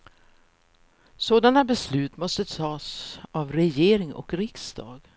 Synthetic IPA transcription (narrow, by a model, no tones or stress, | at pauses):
soːd̪anabɛslʉ̟ːt̪mɔst̪ət̪ʰɑːsavɾɛjeːɾɪŋɔ̰kɾɪksd̪ɑ̰ːɡ